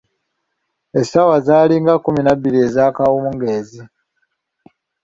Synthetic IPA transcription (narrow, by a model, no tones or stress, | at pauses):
esawazaːliŋɡakuminabːiɾie̞zaːkawumuŋɡe̞ːzi